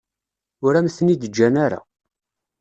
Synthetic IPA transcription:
ʊɾæmθənid̪əd͡ʒːænaɾa̰

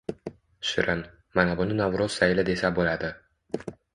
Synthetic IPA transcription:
ʃɪɾʔɪn | manabʊnɪnavɾoz̥sajɪlad̪e̞sabolad̪ɪ

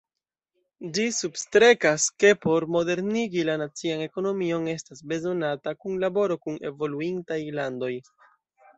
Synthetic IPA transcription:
d͡ʒisubstɾe̞kaske̞po̞ɾmo̞de̞ɾniɡilanat͡siane̞ko̞no̞mio̞ne̞stasbe̞zo̞natakunlabo̞ɾo̞kune̞̰vo̞luintajlando̞j

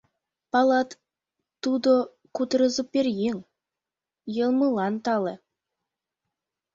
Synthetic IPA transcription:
pɑlˠɑt̪ː | ud̪o | kut̪ɾɤzupʲeɾjeŋ | jɤ̆lˠmulˠɑnt̪ɑlˠɤ̆

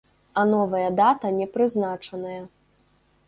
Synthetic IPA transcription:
ɐnɔvɐjɐd̪at̪ɐnʲɛpɾɨznat͡ʂɐnɐjɐ

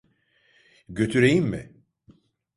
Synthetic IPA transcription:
ɟø̞t̪ʰyɾejimmɪ̰

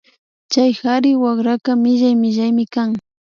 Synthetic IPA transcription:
t͡ʃajxaɾɪwakɾakamɪʒajmɪʒajmɪkaŋ

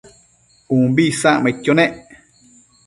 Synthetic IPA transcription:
ũmbisãʔmẽt̪ʲjonẽʔ

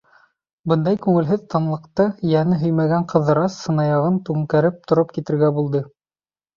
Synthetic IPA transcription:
bɤnd̪ɑjkʉŋɘ̆lɦɘðt̪ɑnlˠɤ̆qt̪ɤjænɘɦɵjmæɡæɴqɤ̆ðɤ̆ɾɑsːɤ̆nɑjɑʁɤnt̪ʉŋkæɾɘp̚t̪ŏɾop̚kit̪ɘ̆ɾɡæbulˠd̪ɤ

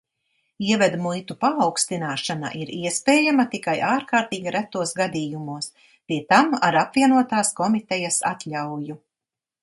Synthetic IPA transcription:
iɛvɛd̪mujt̪upaːwkst̪inaːʃana̰ʔiɾiɛspɛːjamat̪ikajaːɾkaːɾt̪iːɡiɾæt̪ːuɔsɡad̪iːjumuɔs | piɛt̪amaɾapvʲiɛnuɔt̪aːskɔmit̪ɛjasa̰t̪ʎʲawju

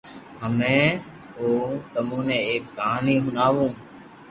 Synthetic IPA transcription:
ɦəmẽː | oːt̪əmũːnẽːeːk̚ːaːnĩːɦʊnaːʋũː

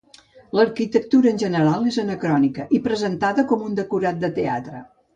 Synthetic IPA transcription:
ləɾkit̪ək̚t̪uɾəːnʲʒənəɾalˠezənəkɾɔnikəʔipɾəzənt̪aðəkɔmund̪əkuɾat̪̚d̪ət̪ea̰t̪ɾə

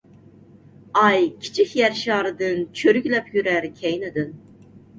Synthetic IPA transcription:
ɑjkʲʰi̥t͡ʃʰikʲjɛɾʃɑːɾɨd̪ɨnt͡ʃʰøɾykʲlɛpʰjyɾæɾkʲʰɛjnɨd̪ɨn

